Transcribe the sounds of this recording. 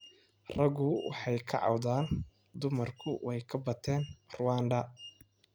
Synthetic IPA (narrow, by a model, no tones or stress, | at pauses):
rɐɣʊwɑ̰ħɑjkʰɐ̰ʕɑ̰wðaːn | d̪ʊmɐrkʰʊwɛjkʰɐbɐt̪ʰɛːnrʊwaːnɖ̪ɐ